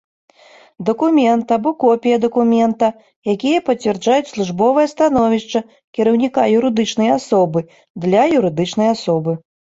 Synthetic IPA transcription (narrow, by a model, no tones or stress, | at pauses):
d̪ɐkumʲɛnt̪ɐbɔkɔpʲijɐd̪ɐkumʲɛnt̪ɐ | jakʲijɐpɐt͡sʲvʲɛrd͡ʐajut͡sʲslˠuʐbɔvɐjɐst̪anɔvʲiʂt͡ʂɐ | kʲɛɾɐwnʲikajuɾɨd̪ɨt͡ʂnɐjasɔbɨ | d̪lʲɐjuɾɨd̪ɨt͡ʂnɐjasɔbɨ